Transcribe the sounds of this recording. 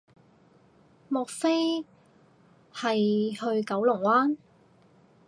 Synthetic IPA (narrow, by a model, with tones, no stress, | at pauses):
mɔː˨k̚fe˥j | hɐ˨jhɵ˧ɥkɐ˨˧˥wlʊ˨˩ŋwaː˥n